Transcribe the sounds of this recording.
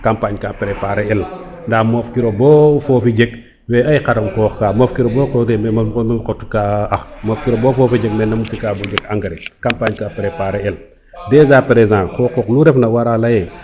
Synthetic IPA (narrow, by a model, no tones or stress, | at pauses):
kampaɲkapɾepaːɾeɛl | ndamofkiɾobɔːfofid͡ʒek̚ | wɛːɐjkaɾɐmkɔːxkaːmofkiɾobokɔdɛmɛmmɐmkotukaɐxmofkiɾobofɔːfid͡ʒek̚mɛnːɐmutikabod͡ʒekaŋɡɐɾekampaɲkapɾepaːɾeɛl | dɛzapɾezãːkɔkɔkluɾɛfnɐwaɾalɐjɛ